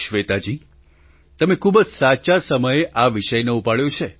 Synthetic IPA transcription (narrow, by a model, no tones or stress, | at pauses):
ʃʋet̪ad͡ʒi | t̪əmekʰubəd͡ʒsat͡ʃasəməjeʔaʋiʃəjneupaɽjot͡ʃʰe